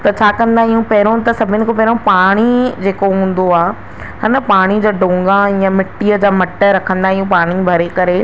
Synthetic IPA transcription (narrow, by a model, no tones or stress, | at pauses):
t̪ɐt͡ɕʰaːkɐ̃nd̪aːɦijũpɐɦɪɾõt̪ɐsɐbʱɪnɪ̆kopɐɦɪɾõpaːɽ̃id͡ʑeːkoɦũːn̆d̪oaː | hɪnəpaːɽ̃id͡ʑaːɖõːŋɡãijãmɪʈːiəd͡ʑaːmɐʈːəɾɐkʰə̃nd̪aːɦijũpaːɽ̃ibʱɐɾekɐɾe